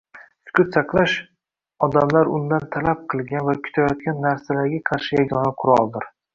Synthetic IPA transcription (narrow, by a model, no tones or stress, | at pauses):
sʊ̥kʲʊt̪sɑqlˠaʃ | ɒd̪amlaɾʊnd̪ant̪ʰalap̚qʰɨlˠɡʲanvakʲʰʊ̥t̪ʰajɒt̪̚kʲanːaɾsalaɾɡʲaqʰɑɾʃɪjaɡʲɒnaqʰʊɾɒlˠd̪ɪɾ